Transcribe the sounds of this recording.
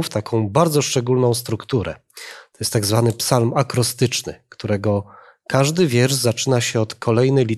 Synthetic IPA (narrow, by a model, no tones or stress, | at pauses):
ft̪akʰɔ̃w̃baɾd̪zɔʂt͡ʂɛɡulnɔ̃w̃st̪ɾukt̪uɾɛ̰ | t̪ɔjɛst̪ːaɡzvanɘpsalmakɾɔst̪ɘt͡ʂnɘ̰kt̪uɾɛɡɔ | kaʐd̪ɘvʲjɛɾʐzat͡ʂɘnaɕɛɔt̪kʰɔlɛjnɛjlʲi